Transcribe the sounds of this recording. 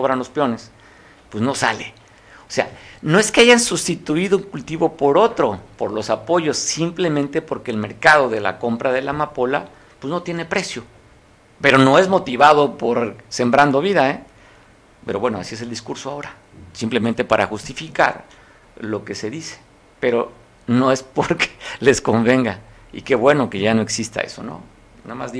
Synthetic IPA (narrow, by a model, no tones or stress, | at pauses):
oβɾanlo̞spjo̞ne̞s | pwezno̞sa̰le̞ | ose̞a̰no̞e̞ske̞aʝansust̪it̪uiðo̞uŋkult̪iβo̞poɾo̞t̪ɾo̞po̞ɾlo̞sapo̞ʝo̞sːimple̞mẽnt̪epo̞ɾke̞ːlme̞ɾkaðo̞ðe̞la̰ko̞mpɾaðe̞lamapo̞la̰ | pwezno̞t̪je̞ne̞pɾe̞sjo̞ | pe̞ɾono̞e̞zmo̞t̪iβað̞o̞po̞ɾse̞mbɾand̪o̞β̞iðae | pe̞ɾo̞βwenoa̰sie̞s̬e̞ld̪iskuɾsoao̞ɾa | simple̞ment̪e̞paɾʔa̰xust̪ifika̰ɾ | lo̞ke̞se̞ðise̥ | pe̞ɾo̞ | no̞e̞spoɾkʰe̥lesko̞mbe̞ŋɡa | ḭke̞βwe̞no̞ke̞ʝano̞e̞ksist̪a̰ḛso̞̰no̞̰ | namazi